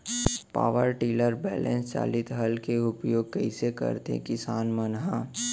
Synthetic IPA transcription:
pa̰ːʋəɾʈiːləɾbɛːlɛ̃ːnst͡ʃa̰ːlɪt̪ɦɐlkeʊpjoːɡ̚kəɪsekə̰ɾt̪ḛ̃kɪsaːnmənɦãː

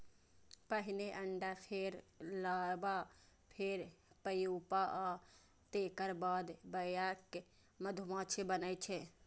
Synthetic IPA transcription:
pəɦineʔəɳɖapʰeɾlabapʰeɾpəjupaʔa | t̪ekəɾbaːd̪bəjake | məd̪ʱumãt͡ʃʰebənət͡ʃʰɛ

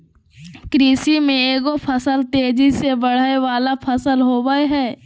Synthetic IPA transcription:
kɾiːsimẽeːɡopʰəsəlt̪eːd͡ʒisebəɽ̤aːeʋaːlapʰəsəlɦoːbəeɦɛː

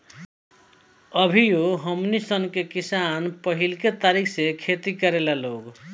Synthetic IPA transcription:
əbʱijoɦəmnisənkekisanpəɦilket̪aɾikʰsekʰet̪ikəɾelaloɡ

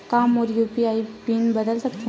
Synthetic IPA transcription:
kaːmɔːɾjuːpiaːipiːnbɐd̪əlsɐk̚t̪eɦ

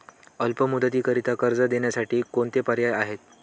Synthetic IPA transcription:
əlpəmud̪ʱət̪iːkəɾit̪akəɾd͡zəd̪eɳjasaʈiːkoɳt̪epəɾjajaɦet̪̚

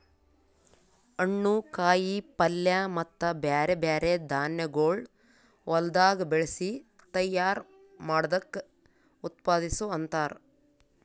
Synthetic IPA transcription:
ɐɳːukaːjipɐljɐmɐt̪ːɐbeːɾebaːɾed̪ʱaːnjɐɡoːɭ | ʋɐld̪aːɡɐbeɭesi | t̪ɐjːaːɾ | maːɽɐd̪ɐkːe | ut̪paːd̪isuɐnt̪aːɾu

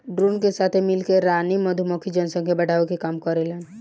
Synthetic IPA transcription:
ɖɾuːnkesaːt̪ʰemɪlkeɾaːnimɐd̪ʱumɔkʰid͡ʒənsə̃ŋkebɐɽ̤ʱaːʋekekaːmkɔɾelen

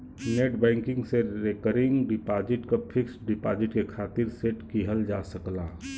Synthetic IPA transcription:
neːʈbɛ̃ːŋkɪ̃ŋɡseɾekəɾɪ̃ŋɡɖɪpaːd͡ʒɪʈkapʰɪksɖɪpaːd͡ʒɪʈkekʰaːt̪ɪɾseʈkiɦəld͡ʒaːsəklaː

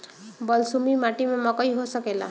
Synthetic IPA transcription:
bɔlsumimaʈimemɔkɔiɦosɔkela̰

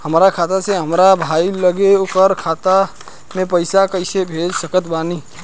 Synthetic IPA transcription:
həmɾakʰat̪aseɦəmɾabʱailəɡeokəɾkʰat̪a | mepəjsakəɪsebʱed͡ʒsəkət̪bani

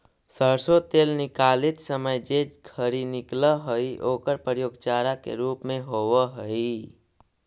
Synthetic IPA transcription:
səɾsot̪eːlnɪkaːlɪt̪səməjd͡ʒed͡ʒɡʰʱəɾinɪkləɦoiʔoːkəɾpɾəjoːɡt͡ʃaːɾakḛɾuːpmẽɦoːwəɦəi

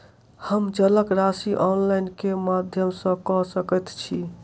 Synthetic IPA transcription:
həmd͡ʒələkɾasiʔɔnlajnkemad̪ʱjəmsə̃kɔsəkɛt̪t͡ʃʰi

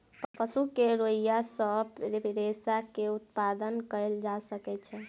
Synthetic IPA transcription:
ppəsukeɾoijasəbɾebɾesakeut̪pad̪ənkəld͡ʒasəkɛt͡ʃʰɛ

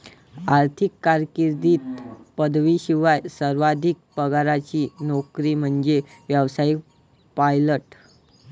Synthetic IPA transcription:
aɾt̪ʰikːaɾkiɾd̪iːt̪pəd̪ʋiːɕiʋajsəɾʋad̪ʱik̚pəɡaɾat͡ɕiːnɔkɾiːm̤əɳd͡zeʋjəʋsaik | pajləʈ

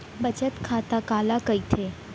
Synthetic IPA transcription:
bət͡ʃət̪kʰat̪akalakəjt̪ʰe

